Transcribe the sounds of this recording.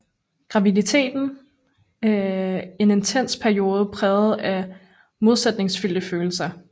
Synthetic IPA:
ɡ̥ʁɑ̈ʋidit͡sʰe̝̰ːd̥n̩ | e̝ne̝nt͡sʰen̰spʰæɐio̝ːð̞̩ˠəpʰʁɛːʊð̩ˠæ | mo̝ð̞ˠsed̥ne̝ŋsfyl̰d̥əføːl̩sɐ

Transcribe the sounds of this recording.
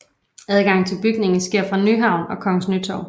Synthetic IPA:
æð̞ˠɡ̥ɑ̈ŋ̰t͡sʰe̝lb̥yɡ̥ne̝ŋn̩sɡ̥e̝ɐ̰fʁɑ̈nyɦɑ̈ʊ̰nɒ̽kʰɒ̽ŋəsnyt͡sʰɒʊ

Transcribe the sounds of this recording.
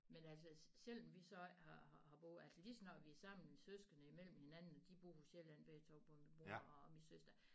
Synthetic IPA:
menælsəɕel̰m̩ʋisɒ̽hɑhɑhɑ̈b̥ɔæl̰səlisɒnɒʋiæsɑ̈m̰n̩isøsɡ̥ɐnəimel̰m̩he̝nænn̩ɒd̥ib̥ʁuːpoɕel̰ænʋ̥et͡sʰɒʊ̰pʰɒ̽mmo̝ɐɒminsøsd̥ɐ

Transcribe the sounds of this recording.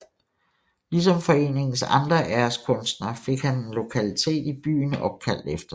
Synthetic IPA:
lis̬ɒ̽mfɒ̽e̝̰ːne̝ŋn̩sɑ̈nd̥ʁɐʔæːɐskʰɔ̽nsd̥nɐfe̝ɡ̥hæne̝nlo̝kʰælit͡sʰe̝̰ːd̥ib̥y̰ːnɒ̽b̥̚kʰæl̰d̥efd̥ɐ

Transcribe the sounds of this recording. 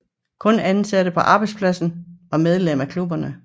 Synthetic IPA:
kʰɔ̽nænsæd̥əpʰɒ̽ʔɑ̈ːb̥ɑ̈ɪdspʰlæsn̩ʋɑ̈með̞ˠlemækʰlub̥ɐnə

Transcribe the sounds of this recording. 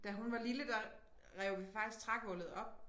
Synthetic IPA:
d̥æɦunʋɑ̈liləd̥ɑ | ʁɛʊʋifɑ̈ɡ̥d̥isɡ̥̚t͡sʰʁɑ̈ɡ̥əʋɔ̽lð̞̩ˠɒ̽b̥

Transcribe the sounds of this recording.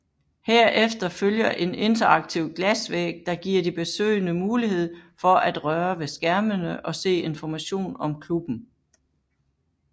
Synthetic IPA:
heɐ̰ʔefd̥ɐføljɐʔe̝ne̝nt͡sʰɐɑ̈ɡ̥̚t͡sʰiʊ̰ɡ̥læsʋḛːɡ̥̚d̥ɑ̈ɡ̥iɐ̰d̥ib̥e̝sø̰ɪnəmuːliɦe̝ð̞̰ˠfɒ̽ʔæd̥ʁɶɐʋe̝sɡ̥æɐmənəʔɒ̽se̝̰ːe̝nfɒmæɕo̝̰ːnɒ̽mkʰlub̥n̩

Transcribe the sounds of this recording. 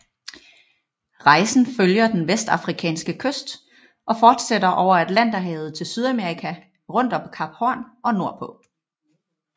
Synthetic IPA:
ʁɑ̈ɪsn̩føljɐd̥enʋesd̥ɑ̈fʁikʰɛ̰ːnsɡ̥əkʰøsd̥ | ʔɒ̽fɒːd̥sedɐʔɒʊ̰ɐæd̥læn̰d̥ɑɦɛːð̞̩ˠt͡sʰe̝lsyð̞ˠæme̝ːʁikʰæ | ʁɔ̽n̰d̥ɒ̽b̥ʰkʰɑ̈b̥hɒnɒ̽no̝ɐ̰pʰɔ̽

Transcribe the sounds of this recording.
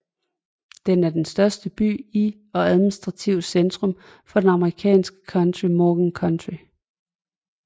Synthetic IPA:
d̥enæɐd̥ensd̥ɶɐsd̥əb̥y̰ːi | ɒ̽æðˠminisd̥ʁɑ̈t͡sʰiʊ̰send̥ʁɔ̽m | fɒ̽d̥enɑ̈məʁikʰɛ̰ːnsɡ̥ə̥kʰɒnd̥ʁimɒːɡ̥nkʰɒnd̥ʁi

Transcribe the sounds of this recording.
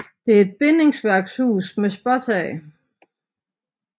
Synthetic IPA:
d̥e̝æɐe̝d̥̚b̥ene̝ŋsʋæɐɡ̥shṵːsmesb̥ɒt͡sʰɛ

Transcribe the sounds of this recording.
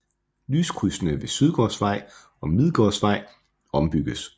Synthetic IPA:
lyːskʰusnəʋe̝syð̞ˠɡ̥ɒ̰ːsʋɑ̈ɪ̰ | ɒ̽mið̞ˠɡ̥ɒ̰ːsʋɑ̈ɪ̰ | ɒ̽mb̥yɡ̥əs

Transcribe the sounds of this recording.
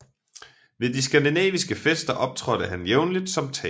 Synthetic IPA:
ʋe̝ðˠdis̬ɡ̥ænd̥inɛ̰ːʋisɡ̥əfesd̥ɐʔɒ̽b̥̚t͡sʰʁɒ̽ɾ̥əɦænjeʊnlid̥sɒ̽mt͡sʰɛ̰

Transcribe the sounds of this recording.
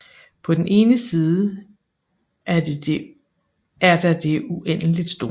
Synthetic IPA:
pʰɒ̽d̥n̩ʔe̝ːnəsiːðˠə | æ | æɐd̥ɑ̈d̥e̝ʔuʔen̰əlid̥sd̥o̝ː

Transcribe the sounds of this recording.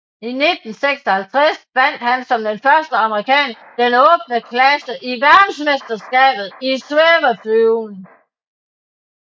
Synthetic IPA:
ined̥n̩seɡ̥sɒ̽hælt͡sʰʁasʋæn̰d̥hænsɒ̽md̥enfɶɐsd̥əɑ̈məʁikʰɛ̰ːn | d̥enɔ̽ːb̥̚nəkʰlæsəʔiʋæɐd̥n̩sme̝sd̥ɐsɡ̥ɛ̰ːb̥ð̩ˠisweːʋɐfyʊn

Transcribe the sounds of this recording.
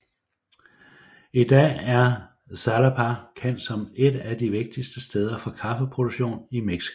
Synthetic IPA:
id̥ɛ̰ːæɐ | sælæpʰɑkʰen̰d̥sɒ̽me̝d̥æd̥iʋe̝ɡ̥̚d̥isd̥əsd̥eːð̞ˠɐfɒ̽kʰɑ̈fəpʰʁod̥u̥ɕo̝̰ːnimeɡ̥si̥o̥

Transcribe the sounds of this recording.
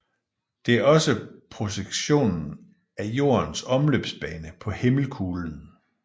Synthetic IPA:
d̥e̝æɐɒ̽səpʰʁo̝ɕeɡ̥ɕo̝̰ːnn̩ | æjo̝̰ːɐnsɒ̽mlø̰ːb̥sb̥ɛːnəpʰɒ̽heml̩kʰuːln̩

